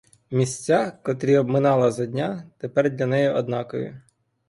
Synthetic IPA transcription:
mʲisʲt͡sʲːakɔt̪ɾʲiɔbmɪnɑlˠɐzɐdʲnʲat̪epɛrdʲlʲɐnɛjiʔɔd̪nɑkɔjʊ̰

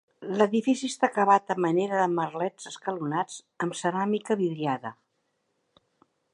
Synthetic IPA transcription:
ləðifisist̪akəβat̪əməneɾəðəmərlɛzəskəlunad͡z | əmsəɾamikəβiðɾiaðə

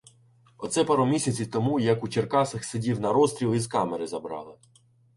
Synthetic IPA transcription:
ɔt̪sɛpɑɾɔmʲisʲɐt͡sʲiwt̪ɔmujɐkut͡ʃerkɑsɐxsedʲiwnɐɾɔst̪ʲɾʲilˠizkɑmeɾɪzɐbɾɑ̰lˠɪ

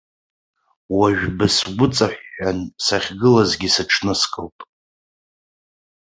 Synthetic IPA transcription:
waʒᶣbɨsɡʷʊt͡sʼaħːansaχʲɡɨlazɡʲisɨʈ͡ʂʰnɨskʼɨlpʼ

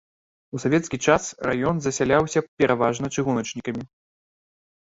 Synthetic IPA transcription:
usavʲɛt̪skʲit͡ʂasra̰jɔnzɐsʲalʲawsʲɐpʲɛɾʔavaʐnɐt͡ʂɨɣunɐt͡ʂnʲikɐmʲi

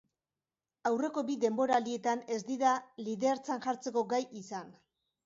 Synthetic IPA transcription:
awre̞ko̞biðe̞mbo̞ɾalie̞t̪ane̞zd̪iðaliðe̞ɾt͡sanʝaɾt͡se̞ko̞ɡajʔisan

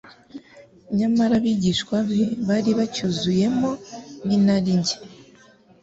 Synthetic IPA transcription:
ɲamaɾaβiɟiʃkwaβeβaɾiβacuzuje̞mo̞ninaɾiɲɟe̥

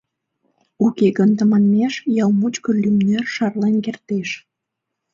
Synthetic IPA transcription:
ukeɡənt̪əmɑnmeʃjɑwmut͡ɕkəlʲymnørʃɑrlenkert̪eʃ

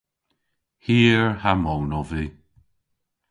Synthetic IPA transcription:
hiːɹhamɔwnɔvi

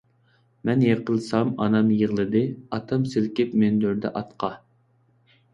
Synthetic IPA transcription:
mɛnjeqʰəlˠsɑmɑ̰nɑmjəʁlˠɨd̪ɨɑt̪ʰɑmsɪlkʲɪpmend̪øɾd̪ɛ̰ʔɑt̪qʰɑ

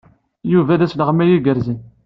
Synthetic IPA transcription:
juvæðæsləʁəmæjiɡəɾzən

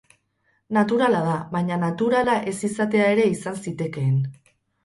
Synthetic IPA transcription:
nat̪uɾalaðaβajɲanat̪uɾalaʔe̞sisat̪e̞ae̞ɾe̞isansit̪e̞ke̞ːn

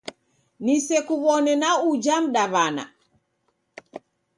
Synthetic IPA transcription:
nisɛkuβɔnɛnaud͡ʒam̩ɗaβana̰

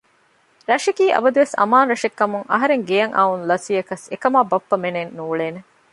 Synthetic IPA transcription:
ɾɐʂɐkiːʔɐ̰bɐd̪uʋesɐ̰maːnɾɐʂekːɐmuŋɐ̰ɦɐɾeŋɡejɐŋʔa̰unlɐsiɐkɐsekɐmaːbɐpːɐmenenːuːɭeːne

